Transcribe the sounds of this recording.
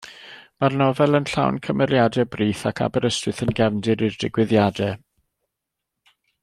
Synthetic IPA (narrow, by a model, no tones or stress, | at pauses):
marnɔvɛlˠənɬa̰wnkʰəmɛɾjadɛbriːθakʰa̰bɛɾəstwɨθənɡɛvndɨɾirdɪɡwɪðjadɛ